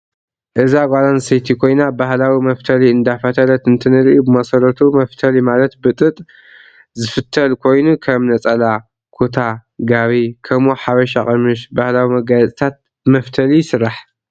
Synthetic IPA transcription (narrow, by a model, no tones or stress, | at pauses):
ʔɨzaɡʷalansit̪ʰikʰo̞jnabahlawimɐft̪ʰɐliɨnd̪afɐt̪ʰɐlɐt̪ɨnt̪ʰɨnɨɾʔubɨmɐsɐlɐt̪ʰumɐft̪ʰɐlimalɐt̪bɨt̪ʼɨt̪ʼ | zɨfɨt̪ʰːɐlkʰo̞jnukʰɐmnɐt͡sʼɐla | kʰot̪ʰaɡaβikʰɐmoħaβɐʃaχʼɐmɨʃbahlawimɐɡat͡sʼit̪ʰat̪̚ | mɐft̪ʰɐlisɨɾaħ